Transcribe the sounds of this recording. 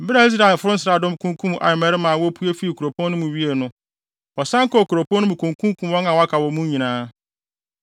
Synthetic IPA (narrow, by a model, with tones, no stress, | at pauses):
m̩˦bɪ˦a˨i˦s̬ɾa˨ɛ˨lfʊ˦ɾʊ˦n̩˦sɪɾa˨dʊ̃˦m˦kʰũ˦ŋ˦kʰũ˦m˦ʔa̰˨ɪ˨mɛ˨ɾɪ˦mãː˨wɔ˦pʰu˦e˦fi˦˨kʰu˨ɾo˨pʰɔ̃˦n˦nʊ̃˦mʊ̃˨ɥi˦e˨nʊ̃˦ | ɔ˨sã˦ŋ̩˦kɔ˦˨ku˨ɾo˨pʰɔ̃˦nʊ̃˦mũ˨kʰũ˨ŋ˨kʰũ˦kʰũ˨mwɔ̃˦ŋã˨wɔ˨˦a˦kʰa˨wɔ˨mũ˦ɲĩ˨nãː˦